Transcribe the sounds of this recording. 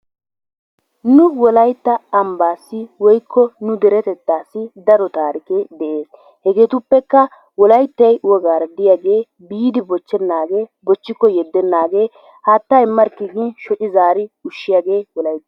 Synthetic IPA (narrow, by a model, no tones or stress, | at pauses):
nʊwɔlɐjt̪ːɐːmbaːsːɪwɔjkʰːɔnʊd̪ɛɾɛt̪ɛt̪ːaːsːɪd̪ɐɾɔt̪aːɾɪked̪ɛʔeːs | hɛɡeːt̪ʊpːɛkːɐ | wɔlɐjt̪ːɐjʊwɔɡaːɾɐd̪ɪjaɡe̞ː | biːd̪ɪbɔt͡ʃːɛnːaːɡe̞ːbɔt͡ʃːɪkːɔjɛd̪ːɛnːaːɡeː | haːt̪ːaɪmːɐɾkɪɡɪnʃɔt͡ʃʼɪzaːɾɪʊʃːɪjaɡe̞ːwɔlɐjt̪ː